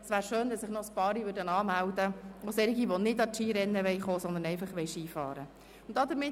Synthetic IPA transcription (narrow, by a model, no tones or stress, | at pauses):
sʋæːɾʃøːnd̪ɑsɪχnɔspɑːɾiʋʉːɾdənɑːmæld̪əosɛɾiɡiʋɔnɪdɑtʃiːɾɛnːəʋɛjχoːsɔnd̪ənɛɪfɑχʋɛɪʃiːfɑ̰ːɾə | ʊntd̥ɑd̪əɾmɪ